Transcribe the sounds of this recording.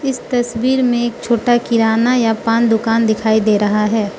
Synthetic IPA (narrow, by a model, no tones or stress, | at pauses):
ɪst̪ɐswiːɾmẽeːkt͡ʃʰoːʈakɪɾaːnajapaːnd̪ʊkaːnd̪ɪkʰaːid̪eːɾɐɦaɦɛː